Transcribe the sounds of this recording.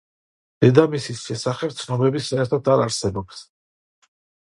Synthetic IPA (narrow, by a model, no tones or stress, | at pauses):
d̪̥ɛd̪amisisʃɛsaχɛp̚t̪sʰnɔmɛbisaɛɾt̪ʰɔd̪aɾaɾsɛbɔps